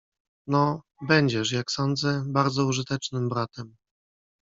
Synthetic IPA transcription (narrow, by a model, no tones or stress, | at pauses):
nɔ | bɛɲd͡ʑɛʂ̬jaksɔnd̪zɛbaɾd̪zɔuʐɘt̪ɛt͡ʂnɘmbɾat̪ɛm